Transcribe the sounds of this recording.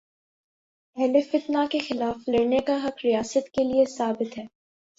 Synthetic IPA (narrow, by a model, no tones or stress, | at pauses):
ɛlefɪt̪nakexɪlaːfleːnekaɦɐqɾijaːsət̪keliesaːbɪt̪ɦɛː